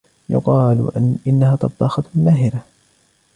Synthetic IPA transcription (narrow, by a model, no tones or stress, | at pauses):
jʊ̰qɑːlʔɪnːahaːt̪ɑbd̪ˤɑxɑt̪ˤmlaːɦɪɾa